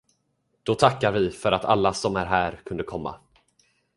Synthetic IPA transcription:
d̪̥ɔt̪ʰakːaɾvɪfœɾat̪ʰalːasɔmæɾɦæːɾkʰɵnd̪əkʰɔmːa̰

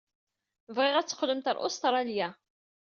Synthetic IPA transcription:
vʁɪʁæt͡sːə̥qləmt̪ə̰ɾʔʊ̰st̪ɾˤɑljæ

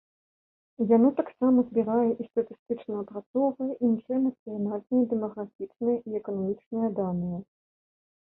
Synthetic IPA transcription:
janɔt̪aksamɐzbʲiɾajɛʔist̪ɐt̪ɨst̪ɨt͡ʂnɐɐpɾat̪sɔvɐjɐʔinkɨjɛmɐt̪sɨjanalʲnɐjɐd̪ɛmɐɣɾafʲit͡ʂnɐjɐʔiɛkɐnamʲit͡ʂnɐjɐd̪anʲɨjɐ

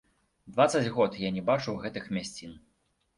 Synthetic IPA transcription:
d̪vat̪sɐd͡zʲɣɔt̪janʲɛbat͡ʂuwɣɛt̪ɨxmʲasʲt͡sʲin

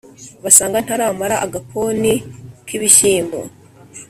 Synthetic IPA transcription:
βasaːŋɡan̥haɾamaɾaʔaɡapʰonikʰiβiʃiːmbo̰

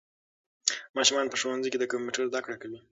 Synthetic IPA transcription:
mɑʃumɑnpəʂowanzijked̪əkomuʈəɾzd̪akɽakawi

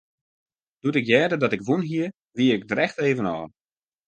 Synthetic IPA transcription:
d̥utɪkjɛːdədɔtɪkʋunɦiə | ʋiəɪɡ̚drɛxteːvənɔ̰ː

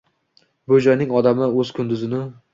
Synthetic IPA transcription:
bʊd͡ʒɒjnɪŋɒd̪amɪɵz̥kʰʊnd̪ʊzɪnɪ

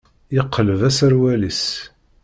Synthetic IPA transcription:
jəqʰːələvæsəɾwælis

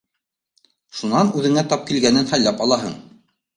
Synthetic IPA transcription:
ʃunɑnʉðɘ̆ŋæt̪ɑp̚kilɡænɘnhæjlæpɑlˠɑɦɤ̰ɴ

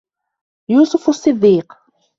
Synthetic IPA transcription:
juːsʊfʊsˤːɨd̪ːiːq

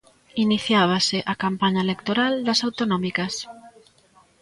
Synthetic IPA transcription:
iniθjaβ̞asɪʔakampaɲaelekt̪oɾald̪ɐsawt̪onɔmikɐs

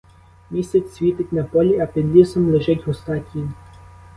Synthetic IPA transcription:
mʲisʲɛt͡sʲsʲʋʲit̪ɪtʲnɐpɔlʲiɐpʲid̪lʲisɔmlˠeʒɪtʲɦɔst̪ɑtʲi

